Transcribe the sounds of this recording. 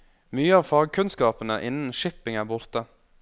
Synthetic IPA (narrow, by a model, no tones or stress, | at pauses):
myːəɑːʋfɑːɡ̚kʰʉnskɑːpənəʔɪnən̩ʃɪpɪŋæːbʊɾt̪ə